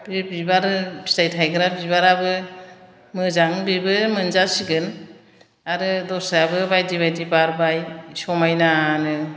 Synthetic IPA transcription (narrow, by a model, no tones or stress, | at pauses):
b̥ibibaɾɯbi̥stajtʰajɡɯɾabibaɾabɯ | mɯzaŋbibɯmɯnzasiɡɯn | aɾɯdɔsaabɯbajdibajtibaɾbajsɔmajnanɯ